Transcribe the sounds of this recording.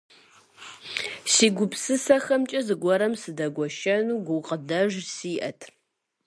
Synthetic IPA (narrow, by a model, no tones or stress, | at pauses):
siːɡʷʊpsɨsɐxɐmt͡ʃʼɐzɨɡʷɔɾɐmsɨdɐɡʷɔʃɐnuːɡʷʊqʼədɐʒsiːʔɐtʰ